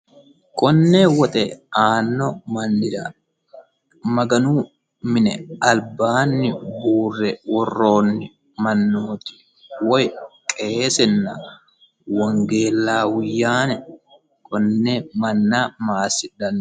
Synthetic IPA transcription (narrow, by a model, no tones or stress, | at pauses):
kɔnːewɔt̪ʼɛaːnːɔmɐnːɪd̪ɐ | mɐɡɐnuː | mɪnɛɐlbaːnːɪbuːrːɛwɔrːo̞ːnːɪ | mɐnːoːt̪ɪ̥ | wɔjkʼeːsɛnːɐ | wɐŋɡe̞ːlːaːwʊjːaːnɛ | kɔnːɛmɐnːamaːsɪᶑɐn